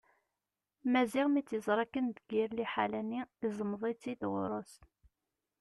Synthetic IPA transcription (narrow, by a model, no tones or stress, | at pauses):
mæziʁmit͡sːjəzˤɾˤɑkːənd̪əɡiɾliħa̰lænːiizˤəmðˤit͡sːid̪ʁʊ̰ɾˤos